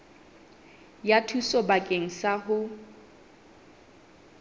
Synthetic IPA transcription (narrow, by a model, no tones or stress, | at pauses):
jatʰusɔbakʼeŋ̩saɦʊ